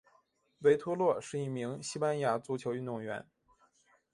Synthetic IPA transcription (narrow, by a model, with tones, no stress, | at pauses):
we˧˥ɪt̪ʰwɔ˥lwɔ˥˩ʂɻ̩˥˧i˥˩mi˧˥ŋɕi˥pa˥nja˧˥t͡su˧˥t͡ɕʰjo˧˥ʊy˥˧nd̪ʊ˥˩ŋɥɛ̰˧˥n